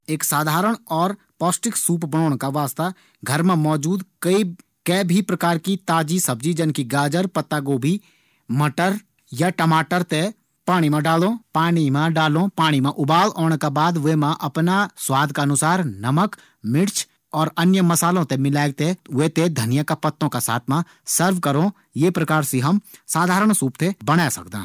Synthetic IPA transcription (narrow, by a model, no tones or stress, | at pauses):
eːksaːd̪ʱaːɾəɽ̃ɔːɾ | pɔːsʈɪksuːpbənɔːɽ̃kaʋaːst̪a | ɡʱəɾmẽmɔːd͡ʒuːd̪kəi | kɛːbʱipɾəkaːɾkit̪aːd͡ʒisəb̚d͡ʒid͡ʒənkiɡaːd͡ʒəɾpət̪ːaɡoːbʱi | məʈəɾ | jaʈəmaːʈəɾt̪e | paːɽ̃imẽɖaːlõpaːɽ̃imẽɖaːlõpaːɽ̃imẽʔʊbaːloːɽ̃kabaːd̪ʋemãʔɐpnaswaːd̪ʱkaɐnʊsaːɾnɐmək | mɪɾt͡ʃʰ | ɔːɾənjəmɐsaːlõt̪emɪlaːɡ̚t̪ewet̪ed̪ʱənɪjakapət̪ːõkasa̰ːt̪ʰmã | səɾʋkəɾõ | jepɾəkaːɾsiɦɐmsaːd̪ʱaːɾəɽ̃suːp̚t̪ʰebəɽ̃asɐ̰k̚d̪ã̰ː